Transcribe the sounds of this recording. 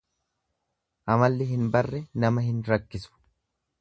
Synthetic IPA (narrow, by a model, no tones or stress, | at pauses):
ʔɐmɐlːɪɦɪnbɐrːɛnɐmɐhɪnɾɐkːɪsʊ̥